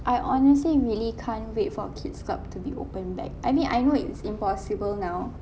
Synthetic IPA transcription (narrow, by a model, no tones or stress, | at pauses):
ʔajʔɔnɛs̬liɹilikʰãnwet̚fɔkʰitska̰p̚tubiʔo̰pə̃nbɛ̰k̚ajmĩnʔa̰jnoɪ̰tsĩmpɔsibəlnaw